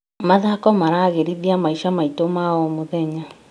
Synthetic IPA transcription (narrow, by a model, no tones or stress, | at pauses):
maðakɔmaɾaːɣeɾiðiamaiʃamaitomaɔmoðɛɲa